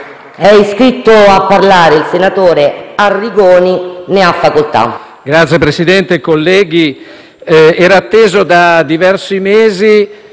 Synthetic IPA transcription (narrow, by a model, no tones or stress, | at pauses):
ɛiskɾit̪ːoapːaɾlaːɾeilsenat̪oːɾearːiɡoːnineafːakolt̪a̰ | ɡɾat̪sjepɾesid̪ɛnt̪ekolːɛːɡi | ɛːɾaːt̪ːeːzod̪ad̪ivɛrsimeːzi